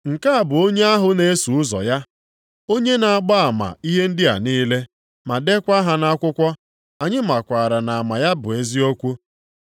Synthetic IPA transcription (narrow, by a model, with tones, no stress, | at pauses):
ŋ̩˨ka˦a˨bʊ˨o˦ɲe˦a˦ɦʊ˨ne˦e˦su˨ʊ˦zɔ̰˨ja˦ | o˦ɲe˦na˨a˨ɡ͡ba˦a˨ma̰˨i˦ɦe˦n̩˦dɪ˦a̰˨niː˦le˦ | ma˨de˦kʷa˦ɦa˨na˦kʷʊ˦kʷɔ˦ | a˨ɲɪ˦ma˨kʷa˨ɾa˨na˨a˨ma˨ja˦bʊ̰˨e˦zi˦o˦kʷu˦